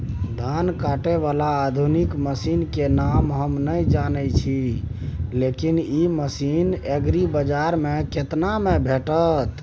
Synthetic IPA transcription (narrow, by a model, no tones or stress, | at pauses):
d̪ʱankaʈeβalaːd̪ʱunikməsinkenamɦəmnəjd͡ʒanət͡ʃʰi | lekiniməsineɡɾibəd͡ʒaɾmeket̪namebʱeʈət̪